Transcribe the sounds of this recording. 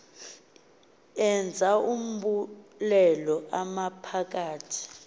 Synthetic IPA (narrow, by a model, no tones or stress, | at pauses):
ɛnd͡zʱaum̩ɓulɛlɔʔamapʰak̬ʼaːtʰi̥